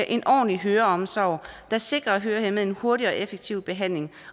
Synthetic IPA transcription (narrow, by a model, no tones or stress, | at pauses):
ʔe̝nʔɒ̰ːnliɦøːɐɒ̽msɒʊ̰d̥ɑ̈se̝ɡ̥ʁɐ̽ːɦøːɐhemeðˠe̝nho̝ɐɾiɒ̽ʔefeɡ̥̚t͡sʰiʊ̰b̥e̝ɦæn̰le̝ŋ